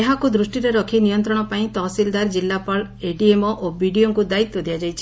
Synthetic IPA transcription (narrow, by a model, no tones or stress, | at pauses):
eɦakud̪ɾusʈiɾeɾɔkʰinijɔnt̪ɾɔɽ̃ɔpaĩt̪ɔsild̪aɾd͡ʒilːapaɭeɖiemɔʔobiɽioŋkud̪ait̪ːɔd̪ijad͡ʒajt͡ʃʰi̥